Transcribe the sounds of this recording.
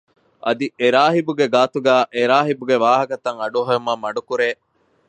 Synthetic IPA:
ʔɐ̰d̪iʔeɾaːɦibuɡeɡaːt̪uɡæːʔeɾaːɦibuɡeʋaːɦɐkɐt̪ɐŋɐɖuɦɐɐmɐmɐɖukuɾeː

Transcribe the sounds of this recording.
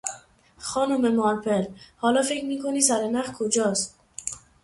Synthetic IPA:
xɒːnomemɒɾpelhɒːlɒːfe̞kɾmiːkʰoniːsæɾenæχkʰod͡ʒɒːst̪̚

